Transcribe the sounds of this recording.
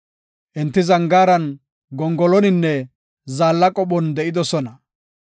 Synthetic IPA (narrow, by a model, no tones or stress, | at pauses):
ʔɛnt̪ːɪzɐŋɡaːɾɐn | ɡɔŋɡɔlɔnɪnːɛ | zaːlːɐkʼɔɓɔnd̪ɛʔɪd̪ɔsɔnɐ